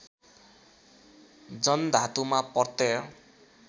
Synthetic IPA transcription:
d͡zʌnd̪ʱat̪umapʌrt̪e

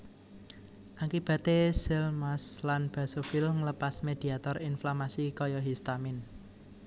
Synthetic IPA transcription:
ʔakib̥ä̤t̪esɛlmaslanb̥a̤sofilŋləpasmed̪̥i̤at̪ɔrinflamasikɔjɔɦist̪amɪn

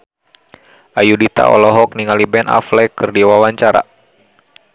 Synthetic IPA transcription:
ʔajudit̪a̰ʔɔ̰lɔɦɔk̚niŋalibɛnʔa̰flɛkɨrdiwawaɲt͡ʃaɾa̰

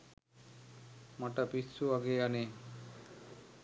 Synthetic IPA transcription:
maʈapisːuaɡeane

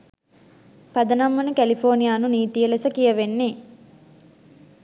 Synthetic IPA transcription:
pɐd̪ɐnɐmːɐnukælipʰoːnijaːnuniːt̪ijɐlesɐkijɐʋenːi

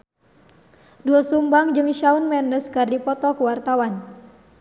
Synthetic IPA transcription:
duasumbaŋd͡ʒɨŋʃaunmɛndəskardipɔt̪ɔkəwart̪awan

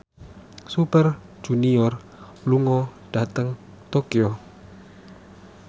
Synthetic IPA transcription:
supər | d͡ʒuniɔr | luŋɔd̥at̪əŋ | t̪okio

